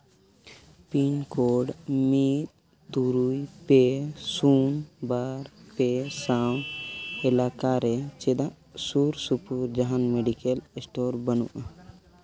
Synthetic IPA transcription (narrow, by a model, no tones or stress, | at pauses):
pinkoɖmit̪̚ | t̪uɾujpesunbaɾpesawɛlakaɾɛt͡ʃɛd̪ãʔ | suɾsupuɾd͡ʒaɦanmeɖikɛlesʈɔɾbənṵʔa